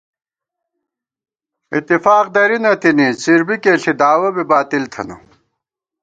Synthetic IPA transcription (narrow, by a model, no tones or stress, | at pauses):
it̪ːifaːq̚d̪ɐɾinɐt̪inisiɾbikeːɬid̪aːwɐbibaːt̪ilt̪ʰɐ̰nṵ